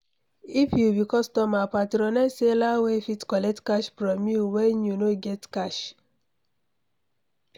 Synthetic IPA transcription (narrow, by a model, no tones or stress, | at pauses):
ifjubikɔstɔmapatɾɔ̃nɛselawefitkɔlɛk̚tkaʃfɾɔmjuweɲunoɡɛtkaʃ